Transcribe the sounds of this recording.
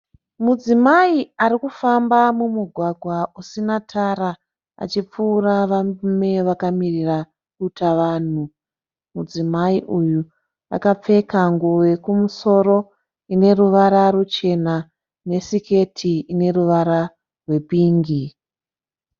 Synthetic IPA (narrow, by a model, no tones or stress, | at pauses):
mud͡zimaiaɾikufambamumuɡʱwaɡʱwausinatʰaɾa | a̰t͡ʃip͡fuːraʋame̞ʋakamirira | kutaʋaːn̤u | mud͡zimaiʔuju | a̰kap͡fe̞kaŋɡuwe̞kumuso̞ɾo̞ | ine̞ruʋaɾarut͡ʃe̞na | ne̞sike̞tʰiine̞ruʋaɾa | rwe̞piːŋɡi